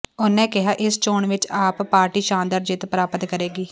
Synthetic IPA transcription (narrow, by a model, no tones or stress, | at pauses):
ʊnɛ̃ːkɪɦaːʔɪst͡ʃoːɳʋɪt͡ʃaːppːaːɾʈiːʃãːnd̪əɾd͡ʒɪt̪pəɾaːpət̪kəɾeːɡiː